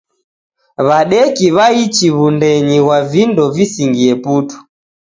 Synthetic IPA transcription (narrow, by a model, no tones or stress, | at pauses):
βaɗɛkiβait͡ʃiβundɛɲiɣwavindɔvisiŋɡiɛputu̥